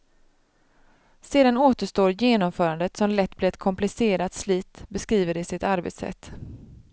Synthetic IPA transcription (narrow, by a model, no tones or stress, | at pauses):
seːd̪anoːt̪əʂt̪oːɾjeːnɔmfœːɾand̪ət̪sɔmlɛt̪ːb̥lɪːɛt̪̚kʰɔmplɪseːɾat̪sliːt̪bɛskɾiːvəɖɪsɪt̪aɾbḛt̪sɛ̰t̪ː